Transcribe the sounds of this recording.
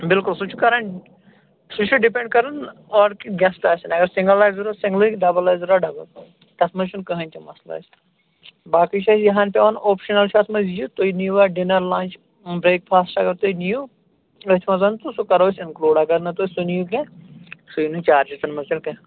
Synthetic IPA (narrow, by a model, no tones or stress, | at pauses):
bɪlkulsut͡ʃʰukɐɾɐɳ | sut͡ʃʰuɖipẽɳɖ̚kɐɾɨnɔːɖkiɡʲɐsʈaːsinɐɡɐɾsɪ̃ŋɡəlaːjzɾaːsĩŋɡlɨɖɐbɐlaːjzɾaːɖɐbɐl | t̪ɐt̪mɐzt͡ʃʰunkɐɦɐnʲt̪ʰimɐsla̰ːs | baːkit͡ʃʰaːsjɐɦaːnʲpʲeʋɐnoːpʃɐnɐlt͡ʃʰɐt̪ʰmɐzjut̪oinijuʋaːɖinɐɾlaːnʲt͡ʃ | bɾeːk̚pʰaːsʈɐɡɐɾt̪oːjniju | ɐt̪ʰʲmɐzɐnt̪usukɐɾoːsʲɪnkluːɖɐɡɐɾnɐt̪oːsunijukẽsujinut͡ʃaːɾd͡ʒɐt̪ɐnmɐzilkɐ̃